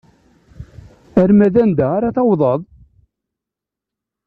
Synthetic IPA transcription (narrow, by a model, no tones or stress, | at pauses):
æɾmæðænd̪æaɾaθɑwðˤɑðˤ